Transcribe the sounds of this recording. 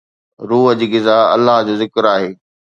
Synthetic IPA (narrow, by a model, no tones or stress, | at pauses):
ɾuːɦəd͡ʑiːɡɪzaːɐ̰lːaɦd͡ʑoːzɪkɾaːɦeː